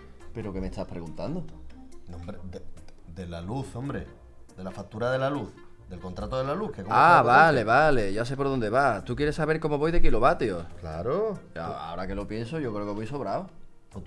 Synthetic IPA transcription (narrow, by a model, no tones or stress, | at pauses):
pe̞ɾoke̞mest̪apɾe̞ɣunt̪and̪oombɾeded̪elaluθo̞mbɾe | d̪e̞lafak̚t̪uɾaðe̞laluθ | d̪e̞lkont̪ɾat̪oðelalukekoaββale̞βale̞ʝas̬e̞po̞ɾðo̞nd̪e̞βat̪ukje̞ɾesːaβe̞ɾko̞mo̞βo̞jðe̞kilo̞βat̪jokla̰ɾoa̰a̰oɾake̞lo̞pje̞nsoʝo̞kɾeoke̞βojso̞βɾao | po